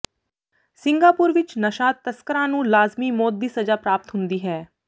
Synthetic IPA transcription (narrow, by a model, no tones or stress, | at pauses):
sɪ̃ŋɡaːpʊːɾʋɪt͡ʃnəʃaːt̪ːəskəɾãːnũːlaːzmiːmɔːt̪̚d̪iːsəd͡ʒaːpɾaːp̚t̪ɦʊnd̪iːɦɛː